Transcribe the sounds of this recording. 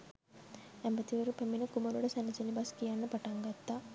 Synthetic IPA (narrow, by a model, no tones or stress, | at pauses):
ɛmbɐt̪iʋɐɾupemːinɐkumɐluɽɐsɐnːɐsɐnibɐskijanːɐpɐʈɐŋɡɐt̪ːa